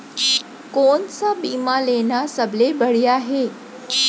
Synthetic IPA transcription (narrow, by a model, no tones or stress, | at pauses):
kont͡sabimalenasəblebəɽiaɦe